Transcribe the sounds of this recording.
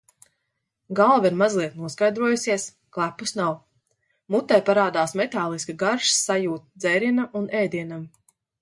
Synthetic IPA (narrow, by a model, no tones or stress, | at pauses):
ɡalˠviɾmazlˠiɛt̪nuɔskajd̪ɾuɔjusiɛs | klˠapːusnaw | mut̪ːajpaɾaːd̪aːsmɛt̪aːlˠiskaɡaɾʃssajuːt̪̚d̪zɛjɾinaʔunɛːd̪iɛnam